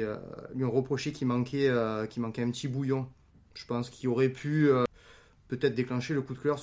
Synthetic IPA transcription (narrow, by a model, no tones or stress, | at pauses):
ø̰lɥiɔ̃ʁəpχɔʃekʲʰimɑ̃kʰeøkʲimɑ̃kɛ̃pət̪ʰibujɔ̃ | ʒ̥ə̥pɑ̃skʲioʁɛpʰyø | pøt̪ɛt̪χəd̪eklɑ̃ʃeləkud̪klœʁ